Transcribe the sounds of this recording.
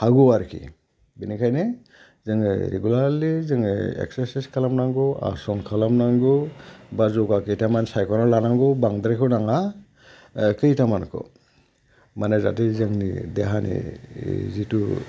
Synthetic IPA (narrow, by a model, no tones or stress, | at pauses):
haɡuaɾkʰḭ | binikʰajne | zɯŋɯ̰ɾḛɡulaɾlizɯŋɯḛksesiskʰalamnaŋɡɯa̰sɔŋkʰalamnaŋɡɯbazɔɡakɯjtamansajkʰɔnɔlanaŋɡɔbaŋd̪ɾikʰɯnaŋa | kɯjtamankʰɔ̰ | manaza̰tezɯŋnḭdeɦanḭ | zitu